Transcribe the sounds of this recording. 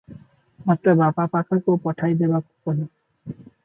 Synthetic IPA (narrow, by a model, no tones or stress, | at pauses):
mɔt̪ɾabapapakʰakowpɔʈʰajd̪ebakupɔlɔ